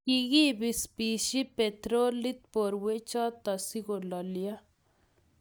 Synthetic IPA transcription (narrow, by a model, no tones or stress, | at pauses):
kiɣibispiːʃipet̪ɾoːlit̪̚poɾwet͡ʃat̪ɐsiɣolɐlija